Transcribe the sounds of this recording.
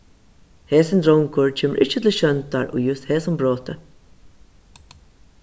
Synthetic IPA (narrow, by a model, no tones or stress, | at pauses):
heːsɪnd̪ɾɔwŋkʊɹt͡ʃʰeːmə̰ɾʔɪɹt͡ʃːət̪ʰɪl̩ʃœnt̪aɹʔʊ̰ːjʉst̪heːsʊmbɹoːt̪ə